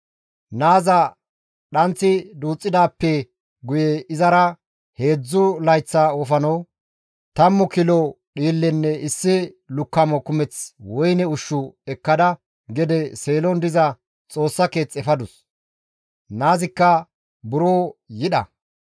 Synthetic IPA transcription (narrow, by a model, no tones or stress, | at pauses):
naːzɐ | ɗɐnt͡sːɪd̪uːt͡sʼːɪd̪aːpːɛ | ɡʊjɛɪzɐɾɐ | he̞ːd͡zːʊlɐjt͡sːɐɔfɐnɐw | t̪ɐmːʊkɪlɔ | ɗiːlːɛnːɛɪsːɪ | lʊkːɐmɔkʊmɛt͡swɔjnɛʊʃːʊɛkːɐd̪ɐ | ɡɛd̪ɛseːlɔnd̪ɪzɐ | t͡sʼo̞ːsːɐke̞ːt͡sʼːɛfɐd̪ʊs | naːzɪkːɐ | bʊɾoːjɪɗɐ̰